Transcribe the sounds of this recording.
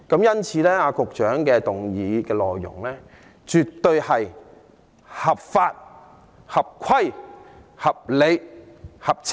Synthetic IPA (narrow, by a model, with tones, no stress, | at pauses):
kɐ˨˥mjɐ˥nt͡sʰiː˨˧˥lɛː˥aː˧kʊ˨k̚t͡ʃœː˨˥ŋkɛː˧t̪ʊ˨ŋjiː˨˧kɛː˧lɔ̰ː˨jːʊ̰˨˩ŋlɛː˥ | t͡ʃy˨tt̪ːɵ˧ɥhɐ˨j | hɐ˨˩p̚faː˧t̚ | hɐ˨p̚kʷʰɐ˥j | hɐ˨p̚le˨˧jhɐ˨˩p̚t͡sʰ